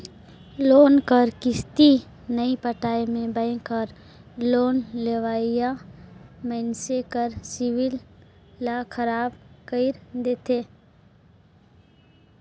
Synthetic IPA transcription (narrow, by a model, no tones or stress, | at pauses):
loːnkəɾkɪst̪i | nəipəʈaːimẽbə̃ɪ̃kəɾ | loːnleʋaːija | mənsekəɾsɪwɪlː | akʰəɾaːbkəɪɾd̪eːt̪ʰeː